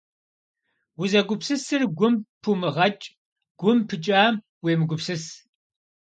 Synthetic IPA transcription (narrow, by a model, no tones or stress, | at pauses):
wʊzɐɡʷʊpsɨsɨrɡʷʊmpʰumɨʁɐt͡ʃʼ | ɡ̥ʷʊmpʰɨt͡ʃʼaːm | weːmɨɡʷʊpsɨs